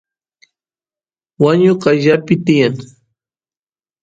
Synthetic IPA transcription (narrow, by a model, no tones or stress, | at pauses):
waɲoqaʎapɪt̪ɪjaŋ